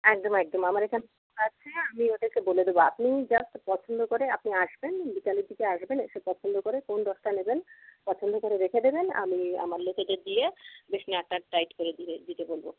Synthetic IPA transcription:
ɛk̚d̪omɛk̚d̪omamaɾekʰanekokat͡ɕʰeamioʈeɾkeboled̪eboa̰pnid͡ʑasʈ̪pɔt͡ɕʰond̪okoɾeapniaʃbenbikalid̪ikeaʃbeneʃepɔt͡ɕʰond̪okoɾekond̪ɔʃʈ̪anebenpɔt͡ɕʰond̪ʱokoɾeɾekʰed̪ebena̰mia̰maɾlok̪ʰed̪eɾd̪ijebeʃnaʈːaʈajʈkoɾeied̪it̪ebolbo

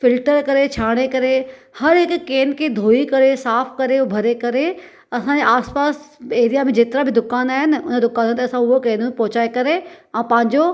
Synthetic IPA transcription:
fɪlʈəɾkɐɾet͡ɕʰaːɽ̃ekɐɾehɐɾɦɪkːeːnkʰed̪ʱoːikɐɾesaːpʰkɐɾebʱɐɾekɐɾe | ɐsãd͡ʑeaːspaːseːɾijamẽd͡ʑeːt̪ɪɾabʱɪd̪ʊkaːnaːɦɪnʊnə̃d̪ʊkaːnt̪ɐsãʊɦokeːnmẽpɐɦʊt͡ɕaːekɐɾeãːpɐ̃ɦɪ̃ɲd͡ʑo

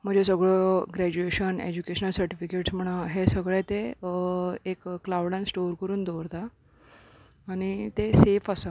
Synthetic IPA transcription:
m̤əd͡ʑesəɡɭoɡɾæd͡ʑueɕənḛd͡ʑukeɕənəlsəɾʈifikeʈsm̤əɽ̃aɦesəɡɭɛt̪e | ekːlawɽãnsʈoɾkəɾuːnd̪oɾt̪a | ɽ̃it̪esefasə

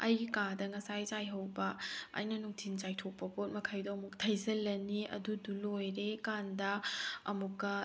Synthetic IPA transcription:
ɐjɡikadɐŋɐsajd͡ʒajɦɐwbɐa̰jnɐnuŋtʰind͡ʒajtʰok̚pɐpot̚mɐkʰɐjdɐɐmuk̚tʰɐjzɐlːɐniɐ̰dudulojɾekandɐɐmukːɐ

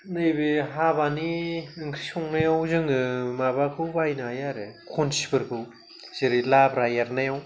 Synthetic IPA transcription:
nɯjbeɦabaniɯŋkʰɾisɔŋnajawzɯŋɡɯmabakʰɯwbajnaajaɾekʰonsibɯɾkʰɯw | z̥eɾilabɾajaɾnajaw

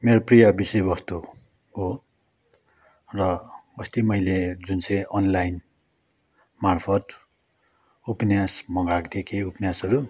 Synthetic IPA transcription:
meɾoprijʌbisebʌst̪o | ɦo | rʌʌst̪imʌjled͡zunt͡sʌj̃ʌnlajn | marpʰʌt̪ | upnjasmʌɡakd̪ekʰeupnjasʌɾu

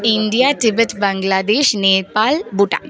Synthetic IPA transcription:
ɪnɖijaːʈɪbət̪bɐŋɡlaːd̪eːʃneːɾpaːlbuʈã̰

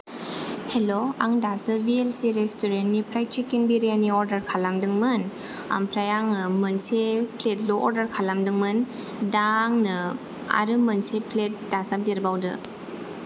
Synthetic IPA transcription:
heloaŋdasɯvielsiɾestuɾentnipʰɾajt͡ʃikinbiɾijaniɔɾdɐɾkʰalamdɯŋmɯn | a̰mpʰɾajaŋɯmɯnsepʰlet̚loʔɔɾdɐɾkʰalamdɯŋmɯn | daŋnɯ | a̰ɾɯmɯnsepʰlet̚dasap̚deɾbawdɯ̰

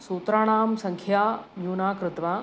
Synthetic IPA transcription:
soːt̪ɾaːɽ̃aːmsɐ̃ŋkʰjaːnjuːnaːkɾɪt̪ʋa

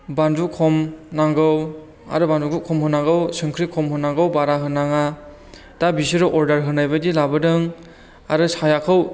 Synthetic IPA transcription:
bandukʰɔmnaŋɡɯw | a̰ɾɯbanduɡukʰɔmhɯnːaŋɡɯwsɯŋkʰɾikʰɔmhɯnːaŋɡɯwbaɾaɦɯnːaŋa | d̥abisɯɾɔʔɔɾdaɾɦɯnːajbadilabɯdɯŋ | a̰ɾɯsajakʰɯw

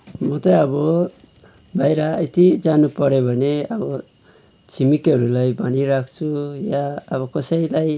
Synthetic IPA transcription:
mʌt̪ʌʌbʌ | bʱajɾaet̪id͡zanupʌɾebʱʌneʌbʌ | t͡sʰimikʌɾulajbaniɾakʰt͡sʰujaːβʌkʌsʌjlaj

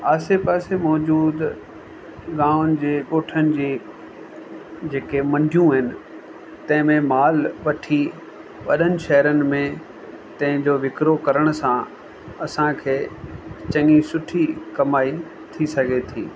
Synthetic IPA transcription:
aːsepaːsemɔːd͡ʑuːd̪ | ɡãːʊnɪ̆d͡ʑeːɠoːʈʰənɪ̆d͡ʑiː | d͡ʑeːkemɐ̃ɳɖʱijũɦɪnɪ̆ | t̪ɐ̃ɦɪ̃mẽmaːlʋɐʈʰi | ʋɐ̰ɗənɪ̆ʃɐɦɾənɪ̆mẽ | t̪ɐ̃ɦɪ̃ɲd͡ʑoːʋɪkɾokɐɾəɽ̃sã | ɐsãkʰeːt͡ɕɐ̃ŋisʊʈʰikɐmaːi | t̪ʰisɐɡʱet̪ʰḭː

